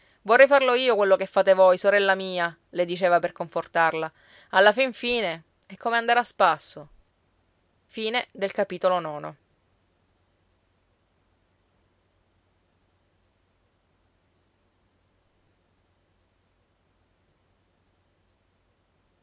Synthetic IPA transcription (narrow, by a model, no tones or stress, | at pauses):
vorːɛjfarloiːokwelːokefːaːt̪evojsoɾɛlːamiːa | led̪it͡ʃeːvaperkoɱfort̪arla | alːafiɱfiːne | ɛkʰːomeand̪aɾaspasːo | fiːned̪elkapiːt̪olonɔːno̰